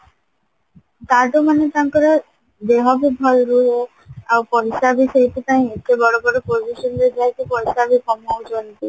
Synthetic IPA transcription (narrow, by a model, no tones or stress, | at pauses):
t̪aʈomanet̪aŋkɔɾa | d̪eɦɔbibʱɔlɾuɾe | awpɔɾisabisejput̪aĩekebɔɽobɔɾopod͡ʒiʃɔnd̪ed͡ʒajk̪ipɔɾisabikɔmod͡ʒont̪i